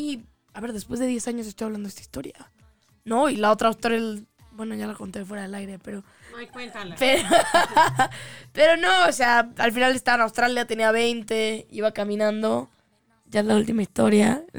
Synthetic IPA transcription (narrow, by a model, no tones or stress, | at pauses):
i | aβe̞ɾðe̞spwe̞zðe̞ðje̞saɲos̬est̪ojaβland̪oest̪ai̥st̪o̞ɾja | no̞ilao̞t̪ɾawst̪oɾel | bwe̞no̞ʝalako̞nt̪efwe̞ɾaðe̞lajɾe̞pe̞ɾo | epeɾo | pe̞ɾo̞no̞ose̞aalfinalest̪aβanawst̪ɾaljat̪e̞niaβ̞e̞jnt̪e̞iβakamĩnãnd̪o̞ | ʝaelault̪imaist̪o̞ɾja